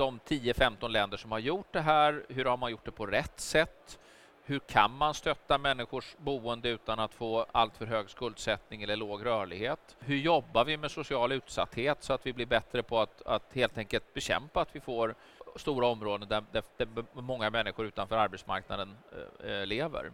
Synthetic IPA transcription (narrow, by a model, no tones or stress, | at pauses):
d̪ɔmt̪ʰiːəfɛmt̪ɔnlɛnd̪əʂɔmhaɾjʊʈ̚d̪ɛɦæːɾɦɵɾhaɾmanjʊʈ̚ːɖ̪ɛpʰɔɾɛt̪ːsɛt̪ː | hɵɾkʰa̰nmanst̪œt̪ːamɛnːɪɧʊʂbuːənd̪əʉ̟ːt̪anat̪foːa̰lt̪fœɾɦøːɡskɵld̪sɛt̪nɪŋɛlːəɭoːɡɾœːɭɪɡheːt̪hɵɾjɔbːaɾvɪmɛsʊsɪɑːlʉ̟ːt̪sa̰t̪ːheːt̪sɔat̪vɪblɪɾbɛt̪ɾəpʰɔat̪a̰t̪heːlt̪ʰɛŋkəlt̪̚bɛɕɛ̰mpaːt̪vɪfoːɾ | st̪uːɾaɔmɾoːd̪ənd̪æd̪æd̪̥æmɔŋːamɛnːɪɧʊɾʉ̟ːt̪anfœːɾaɾbɛt̪sma̰ɾkna̰d̪ənleːvə̰ɾ